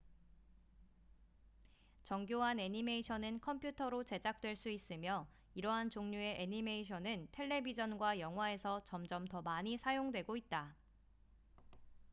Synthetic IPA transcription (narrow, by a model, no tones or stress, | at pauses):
t͡ɕʌŋɡjoɦane̞ɲime̞iɕʰʌnɯnkʰʌmpʰjutʰʌɾot͡ɕe̞d͡ʑak̚t͈we̞ɭs͈uis͈ɯmjʌ | iɾʌɦant͡ɕoŋɲue̞ʔeɲime̞iɕʰʌnɯntʰe̞ɭːe̞bid͡ʑʌnɡwajʌŋɦwae̞sʰʌt͡ɕʌmd͡ʑʌmtʌmaɲisʰajoŋdwe̞ɡoit̚t͈a